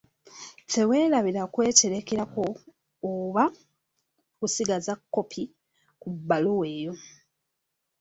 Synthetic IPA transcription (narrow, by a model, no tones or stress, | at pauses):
t͡se̞we̞ːlaβiɾakwe̞ːceɾe̞keɾako̞ː | βa | kusiɡazakːo̞pʰi | kubːalowe̞ːjo̞